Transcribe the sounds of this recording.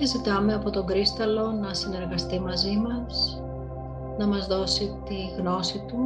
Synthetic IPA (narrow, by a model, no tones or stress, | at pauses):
ezit̪ɐme̞ɐpo̞t̪o̞ŋɡɾist̪ɐlo̞nɐsine̞ɾɣɐst̪imɐzimɐs | nɐmɐzðo̞sit̪iɣno̞sit̪u